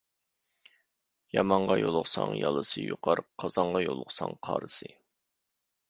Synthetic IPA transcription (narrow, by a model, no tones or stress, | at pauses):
jɑmɑɴʁɑjolˠʊχsɑŋjɑlˠɨsɨjuqɑɾqʰːɑz̥ɑɴʁɑjolˠʊχsɑŋqʰɑːɾɨsɨ